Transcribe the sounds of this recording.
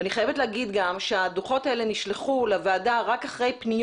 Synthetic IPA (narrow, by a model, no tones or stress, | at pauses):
aniχajevetleːɡid̪ɡamʃead̪uχo̞t̪aele̞niʃleχulevaːdaʁakaχʁe̞jpnij